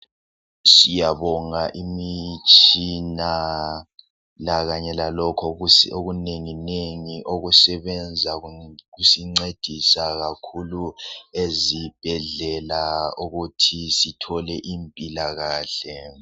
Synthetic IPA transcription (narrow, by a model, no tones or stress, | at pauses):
sijaβɔŋaʔimit͡ʃʼina | laɣaɲɛlalɔkʰɔoɣuneŋineŋiʔoɣusɛβɛnd͡zʱaɣusiŋ͡ǀed̥ʱisaɣakʰuluezib̥ʱɛɮɛlauɣutʰisitʰɔlɛʔimpʼilaɣaːɬɛ